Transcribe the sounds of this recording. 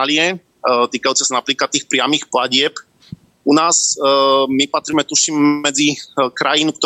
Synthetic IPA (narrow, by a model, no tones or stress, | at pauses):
lɪɛ | t̪iːkajut͡sɛsanapliːklat̪ːiːxpɾɪamiːxplaɟɪɛp | unaːz | mipat̪ɾimɛt̪uʃimmɛd͡zikɾajinuk̚t̪ɔ